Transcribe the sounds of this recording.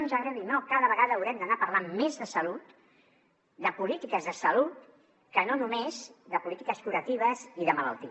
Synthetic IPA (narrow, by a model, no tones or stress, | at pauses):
nzəɣɾəðinokaðəβəɣaðəːwɾɛmd̪ənapəɾlammezðəsəlut̪ | d̪əpulit̪ikəzðəsəlut̪ | kənonumezðəpulit̪ikəskuɾət̪iβ̞əziðəmələ̰lˠt̪i